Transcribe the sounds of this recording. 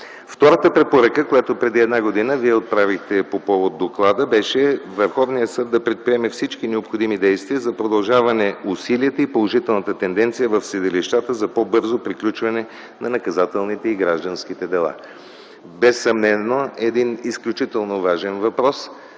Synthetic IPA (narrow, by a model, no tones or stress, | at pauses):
ft̪ɔɾət̪əpɾɛpoɾəkəkojat̪opɾɛd̪iɛd̪naɡod̪inəviɛot̪̚pɾavixt̪ɛpopɔvod̪ːoklˠad̪əbɛʃɛvəɾxɔvnijəsɤd̪ːɐpɾɛt̪̚pɾiɛmɛfsit͡ʃkinɛopxod̪imid̪ɛjst̪viəzɐpɾod̪ɐlˠʒavɐnɛusiliət̪əipolˠoʒit̪ɛlˠnɐt̪ət̪ɛnd̪ɛnt̪sijəvəfsɛd̪iliʃt̪at̪əzɐpɔbɤɾzopɾiklʲut͡ʃvɐnɛ | nɐnɐkɐzat̪ɛlˠnit̪ɛiɡɾaʒd̪ənsk̟it̪ɛd̪ɛlˠa̰ | bɛsːɐmnɛnːoɛd̪inisklʲut͡ʃit̪ɛlˠnovaʒɛnvɐpɾɔs